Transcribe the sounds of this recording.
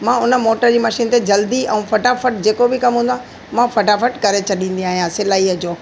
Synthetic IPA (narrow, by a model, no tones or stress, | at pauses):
mãʊnə̆moːʈəɾd͡ʑiːmɐʃiːnt̪ed͡ʑɐld̪iɛ̃ũfɐʈafɐʈd͡ʑeːkobɪkɐmɦũːn̆d̪wãː | mãfɐʈafɐʈkɐɾet͡ɕʰɐɗĩːn̆d̪iaːɦijãsɪlaːiəd͡ʑoː